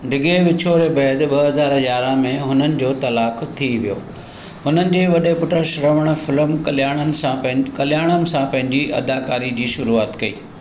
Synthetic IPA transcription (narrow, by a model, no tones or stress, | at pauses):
ɖɪɡeʋɪt͡ɕʰoɾebɐːd̪ɓɐɦɐzaːɾɐjaːɾãmẽɦʊnənɪ̆d͡ʑoːt̪ɐlaːkt̪ʰiʋijo̰ː | ɦʊnənɪ̆d͡ʑeːʋɐɗepʊʈəʃɾɐʋəɽ̃fɪləmljaːɽ̃ənɪ̆sãkɐljaːɽ̃ənɪ̆sãpɐ̃ɦɪ̃ɲd͡ʑiʔɐd̪aːkaːɾid͡ʑiːʃʊɾuaːt̪kɐḭː